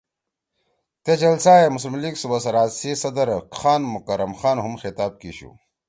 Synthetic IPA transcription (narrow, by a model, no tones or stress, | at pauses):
t̪ed͡ʑɐlsaːemus̬limliɡsubɐsɐɾaːsisɐd̪ɐɾxaːnmukɐɾɐmxaːnɦumxit̪aːb̚kiɕṵ